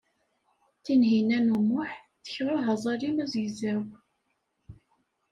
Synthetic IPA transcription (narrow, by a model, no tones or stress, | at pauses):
θinɦinænumʊħ | θə̥çɾʊɦɑzˤɑɾimæzizæw